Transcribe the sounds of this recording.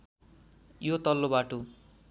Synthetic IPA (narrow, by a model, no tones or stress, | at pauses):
jot̪ʌlːobaʈo